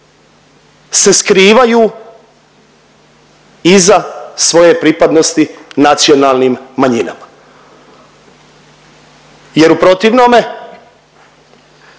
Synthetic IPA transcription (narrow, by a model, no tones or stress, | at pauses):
se̞skɾiːʋajuː | izasʋo̞jepɾipad̪no̞st̪inat̪sio̞nalnimːaɲina̰ma | je̞ɾupɾo̞t̪iʋnome̞